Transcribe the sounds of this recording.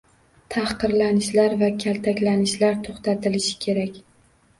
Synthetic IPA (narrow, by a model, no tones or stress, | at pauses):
t̪ʰahqɨɾlanɪʃlaɾvakʲʰalt̪ʰakʲlanɪʃlaɾt̪ʰoχt̪ʰat̪ʰɪlɪʃɪ̥kʲʰe̞ɾakʲ